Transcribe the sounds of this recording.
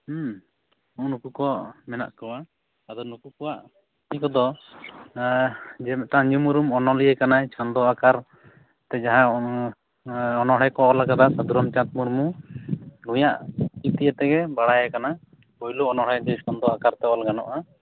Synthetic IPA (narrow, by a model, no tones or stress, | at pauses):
ɔʔnukukɔaʔmɛna̰ʔkɔwa | ad̪ɔnukukɔwaʔ | tikɔd̪ɔ | d͡ʒɛmɛʈaɲd͡ʒumuɾumɔnɔliɛkanaɛt͡ʃɔnd̪ɔakaɾ | t̪ɛd͡ʒaɦã | ɔnɔɽɛkɔalakad̪asad̪uɾɔmt͡ʃãt̪̚muɾmu | lujaʔit̪ijɛt̪ɛɡɛbaɽajɛkana | kɔjluɔnɔɽɛd͡ʒɛt͡ʃɔnd̪ɔakaɾt̪ɛwalɡanɔ̰ʔa